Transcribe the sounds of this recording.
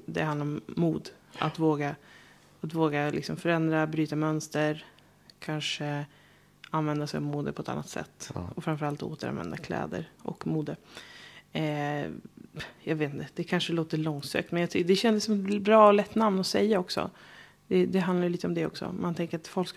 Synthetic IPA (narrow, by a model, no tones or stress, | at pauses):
d̪ɛ̰hand̪aɾɔmːuːd̪ | ʔa̰t̪voːɡa | at̪voːɡalɪ̰ksɔmfœɾɛnd̪ɾabɾyːt̪amœnst̪əɾ | kʰanʂə | anvɛnd̪asɛjɔ̰vmuːd̪ə̰pʰɔɛt̪a̰nːa̰t̪sɛ̰t̪ːɔfɾamfœɾalt̪o̰ːt̪əɾa̰nvɛ̰nd̪akʰlɛ̰ːd̪ə̰ɾʔɔ̰kːmuːd̪ə | jɑɡveːt̪nd̪ɛd̪̥ɛkʰanʂəloːt̪əlɔŋsø̰ːk̚t̪mɛnjat̪ʰʏd̪ɛɕɛnd̪əsːɔmɛt̪bɾɑːɔlɛt̪ːnamnɔsɛjːaɔksɔ̰ | d̪̥ɛd̪ɛɦand̪aɾjʏliːt̪ɔmd̪ɛɔ̰ksɔ̰mant̪ʰɛŋkəɾat̪fɔlk